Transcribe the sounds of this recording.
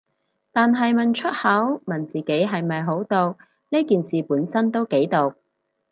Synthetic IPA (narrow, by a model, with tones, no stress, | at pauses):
t̪aː˨nɦɐ˨jmɐ˨nt͡ʃʰɵ˥t̚hɐ˨˥wmɐ˨˩nt͡siː˨ke˨˥jɦɐ˨jmɐ˨jɦo˨˥wt̪o˨w | ni˥kiː˨nsiː˨puː˨˥nsɐ˥nt̪o˥wke˨˥jt̪o˨w